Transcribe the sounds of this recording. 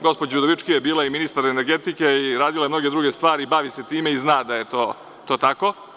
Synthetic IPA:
ɡo̞spod͡ʑjud̪oʋit͡ʃkijebiːlˠaiminist̪aɾeneɾɡet̪ikeiɾaːd̪ilˠajemno̞ɡed̪ɾuɡe̞st̪ʋaːɾibaʋise̞t̪iːme̞iznaːd̪ajet̪oː | t̪o̞ːt̪ako̞

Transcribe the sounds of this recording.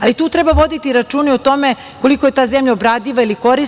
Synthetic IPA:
alit̪uːt̪ɾebaʋo̞d̪it̪iɾat͡ʃuːniot̪o̞me | ko̞likoje̞t̪aːzemʎaobɾaːd̪iʋailiko̞ɾis

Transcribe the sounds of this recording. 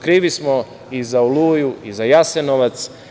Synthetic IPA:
kɾiːʋismo | izaolujuizajasenoʋat̪s

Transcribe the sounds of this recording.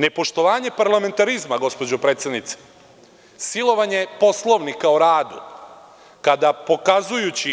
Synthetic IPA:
ne̞po̞ʃt̪o̞ʋaːɲe̞paɾlame̞nt̪aɾizmaɡo̞spod͡ʑopɾe̞ːt̪st̪ad̪nit̪se̥ | silˠo̞ʋaɲe̞po̞slˠo̞ʋnikaoɾaːd̪ṵ | kad̪apo̞kazujut͡ɕi

